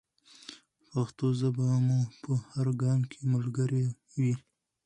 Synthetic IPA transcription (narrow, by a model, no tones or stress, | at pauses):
paxt̪ozabɑmupəhaɾɡɑmkʰeməlɡaɾe | wi